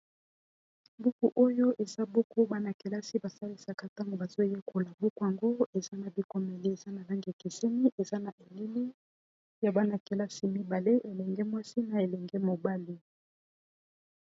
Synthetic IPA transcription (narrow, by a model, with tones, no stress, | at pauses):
bu˦ku˨ʔo˦jo˦ʔe˨za˦bu˦ku˦ba˦na˨ke˨la˦si˦ba˨sa˦li˦sa˨ka˦ta˦ŋɡo˨ba˨zo˦je˦ko˨la˨bu˦ku˦˨a˨ŋɡo˦e˨za˦na˨bi˦ko˨mɛ˨le˦e˨za˦na˨la˦ŋɡi˨ki˨se˦ni˦ʔe˨za˦na˨ʔe˨li˦mi˦ | ja˨ba˦na˨ke˨la˦si˦mi˦ba˨le˦ʔe˨lɛ˨ŋɡɛ˦mwa˦si˦na˨e˨lɛ˨ŋɡɛ˦mo˨ba˦li˦